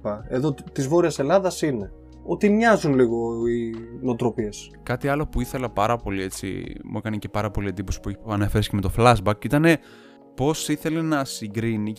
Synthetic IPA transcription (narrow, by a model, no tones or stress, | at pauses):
ɐeðot̪izvo̞ɾiɐse̞lɐðɐsine̞ | o̞t̪imɲɐzunliɣo̞inot̪ɾo̞pie̞s | kɐt̪iɐlo̞puiθe̞lɐpɐɾɐpo̞lie̞t͡sḭmʔṵekɐnice̞pɐɾɐpo̞lie̞nd̪iposi̥pueçiɐne̞feɾescemet̪o̞flɐzbɐkit̪ɐne̞ | po̞siθe̞le̞nɐsiɡɾini